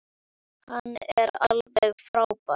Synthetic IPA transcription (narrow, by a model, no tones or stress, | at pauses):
hanːɛɾalvɛɣfɾaːwpa